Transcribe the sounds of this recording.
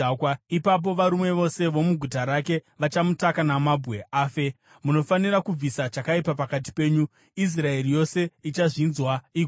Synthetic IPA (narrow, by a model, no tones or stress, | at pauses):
kwaipap̬o̞ʋaɾumwe̞ʋo̞se̞ʋo̞muɡʱutaɾake̞ʋat͡ʃamutakanamabʱwe̞ʔaːfe̞ | muno̞fanirakub͡visat͡ʃakaipapakat̬i̥pe̞ːɲu | is̬rae̞rijo̞se̞it͡ʃaʐinzwaiɡʱ